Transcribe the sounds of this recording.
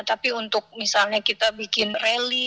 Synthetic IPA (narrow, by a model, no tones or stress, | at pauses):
t̪apiunt̪ʊk̚misalɲakit̪abikɪnreli